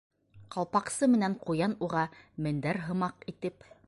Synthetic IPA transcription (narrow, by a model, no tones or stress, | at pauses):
qɑlˠpɑqsɤmɘ̆næɴqujɑnuʁɑmɘ̆nd̪æɾɦɤ̆mɑqit̪ɘp